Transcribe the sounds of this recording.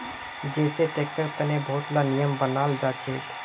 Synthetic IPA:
d͡ʒɛːset̪eksəɾt̪ənebʱoʈlanijəmbənald͡ʒat͡ʃʰɛt̪

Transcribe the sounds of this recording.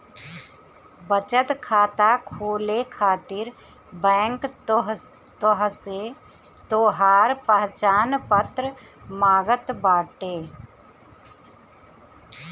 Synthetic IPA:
bət͡ʃət̪kʰaːt̪akʰoːlekʰaːt̪ɪɾ | bɛ̃ːŋkɦ | t̪oɦse | t̪oːɦaːɾpəɦt͡ʃaːnpət̪ɾə | maːɡət̪baːʈeː

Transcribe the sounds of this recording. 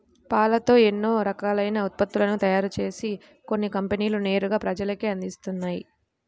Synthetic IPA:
paːlɐt̪o̞ːe̞nːo̞ːɾɐkaːlɐjnɐut̪̚pɐt̪ːulɐnut̪ɐjaːɾut͡ʃe̞ːsi | ko̞nːikɐmpeniːlune̞ːɾuɡaːpɾɐd͡ʒɐlɐkiɐnd̪ist̪unːaːji

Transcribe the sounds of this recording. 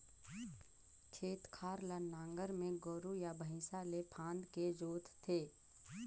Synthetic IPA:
kʰeːt̪kʰaːɾlənãːŋɡəɾmẽɡoːɾujabʱəɦɪ̃salepʰãːnd̪ked͡ʒoːt̪t̪ʰːeː

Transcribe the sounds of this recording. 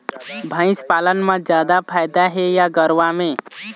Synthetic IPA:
bʱə̃ɪ̃spalənmed͡ʒjad̪apʰajd̪aɦejaɡəɾʋame

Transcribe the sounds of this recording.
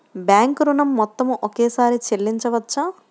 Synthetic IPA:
bjaːŋkɾunɐmːɔt̪ːɐmʔokeːsaːɾit͡ʃelːiɲt͡ʃɐʋɐt͡ʃːaː

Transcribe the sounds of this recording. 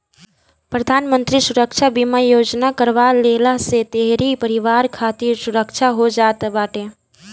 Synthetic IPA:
pɾəd̪ʱanmənt̪ɾisuɾəkt͡ʃʰabiməjod͡ʒnakəɾʋalelaset̪eɦɾipəɾiʋaɾkʰat̪iɾsuɾəkt͡ʃʰaɦod͡ʒat̪baʈe

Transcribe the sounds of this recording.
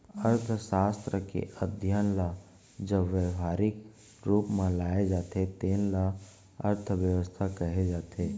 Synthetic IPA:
əɾt̪ʰʃaːst̪ɾəkḛʔəd̪ʱjaːnla | d͡ʒəʋəaːɾɪk | ɾuːpmẽlaːed͡ʒaːt̪et̪eːnla | ə̰ɾt̪ʰʋjəʋəst̪ʰakəɦed͡ʒaːt̪ʰeː

